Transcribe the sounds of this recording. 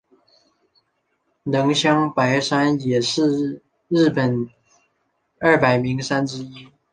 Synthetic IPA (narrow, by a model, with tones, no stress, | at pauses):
nɤ˧˥ŋɕjɑ˥ŋpa˧˥ɪʂa˥njɛ˨˩ʂɻ̩˥˧ | ɻ̩˥˩pə˨˩n | ə˞˥˩pa˨˩ɪmi˧˥ŋʂa˥nʈ͡ʂɻ̩˥i˥